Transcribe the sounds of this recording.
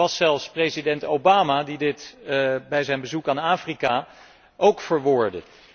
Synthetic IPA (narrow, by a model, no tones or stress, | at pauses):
ɑsɛlˠfsprezidɛntowbaːmadidɪtbɛjzɛjnbəzukaːnaːfrika | ʔowkfəɹʋʊːɹdə